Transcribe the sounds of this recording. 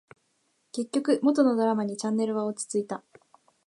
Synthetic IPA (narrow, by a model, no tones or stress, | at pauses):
ke̞kʲːo̞kɯ̟mo̞t̪o̞no̞d̪o̞ɾamaɲ̟it͡ɕãnːe̞ɾɯ̟βaot͡sɨ̥t͡sɨit̪a